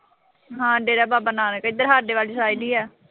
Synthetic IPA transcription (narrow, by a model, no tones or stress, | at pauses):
ɦãːɖeːɾɛːbaːbaːnaːnekəiːd̪əɾɦaːɖeːʋaːliːsaːiliːɛː